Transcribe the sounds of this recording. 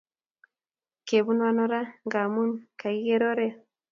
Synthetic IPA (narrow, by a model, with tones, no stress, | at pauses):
ke˨βu˦nwa˦nɔ˦ɾa˦ŋɡa˨mu˦nka˨i˦ɣe˦ɾɔ˦ɾɛ˦